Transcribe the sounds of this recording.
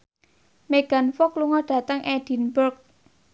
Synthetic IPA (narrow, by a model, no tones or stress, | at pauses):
meɡ̥a̤nfɔkluŋɔɖ̥ä̤t̪əŋʔɛɖ̥i̤nbərɡ̚